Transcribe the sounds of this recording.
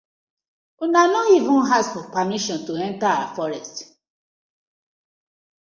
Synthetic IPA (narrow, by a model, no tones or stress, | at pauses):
unanɔivũnɦazfɔpamiʃɔ̃ntuɛ̃ntaaafɔɹɛst